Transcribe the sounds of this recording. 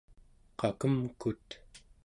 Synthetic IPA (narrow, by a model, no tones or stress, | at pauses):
qʰɑkəmkut̪